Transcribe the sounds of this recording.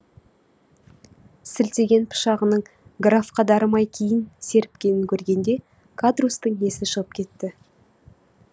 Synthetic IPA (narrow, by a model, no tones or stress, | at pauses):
sɪlt̪e̞ɡʲe̞npʰʊ̥ʃɑʁənəɴɡrafqɑd̪ɑɾəmɑjkʲʰejɪnse̞ɾɪp̚kʲe̞nɪŋkʲʰɵɾɡʲe̞nd̪e̞ | kʰad̪rust̪əɴe̞sɪʃəʁəp̚kʲʰe̞t̪ːɪ